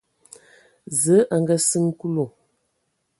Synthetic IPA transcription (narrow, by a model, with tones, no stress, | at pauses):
zə˨˦ʔa˨ŋɡə˦sɨ˦ŋ˦ku˦lo˨